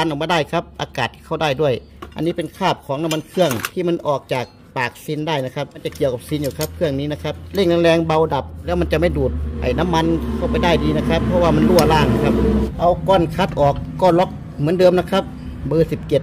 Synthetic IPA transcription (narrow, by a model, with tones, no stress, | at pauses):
a˧nʔa˨˩baː˧˦daː˧˥˩jkʰa˦˥p̚ʔaː˧kaː˨˩t̪̚ʰːiː˧˩kʰa˧˩wdaː˧˩jdu˧˥˩əj | ʔa˧˨nːiː˧˥pe˨nkʰaː˧˩p̚kʰɔː˨˦ŋa˧˥ma˧nkʰɯ˧˩əŋt̪ʰiː˧˩ma˧˥˨nʔɔː˨˩k̚t͡ɕaː˨˩k̚paː˨˩k̚si˧˥ndaː˧˩jna˧˥kʰa˦˧˥p̚ma˧˥nt͡ɕa˨˧˩ki˨˩əwka˨˧p̚si˧˦njuː˨˩kʰa˧˥p̚kʰɯ˧˩əŋniː˦˥na˧˥kʰa˧˥p̚le˧˩ŋna˧lɛː˧ŋba˧wda˨˩p̚lɛː˦˥wma˧˨nt͡ɕa˨˩ma˧˩jduː˨˩t̪̚ʔa̰˨˩jna˧˥˨mːa˧˥nkʰa˧˩wpa˨jdaː˧˩jdiː˧na˧˩kʰa˧˥pʰːɔ˧waː˧˩ma˧˥˨nlu˧˥˩ɐlaː˧˩˨ŋna˧˩kʰa˧˥p̚ʔa˧wkɔː˧˥˩nkʰa˧˥t̪̚ʔɔː˨˩kːɔː˧˩lɔ˦˥k̚ | mɯ˨˦ə˦ndɤː˧mna˧˥kʰa˦˥p̚ | bɤː˧si˨˧˦p̚t͡ɕe˧˩t̪̚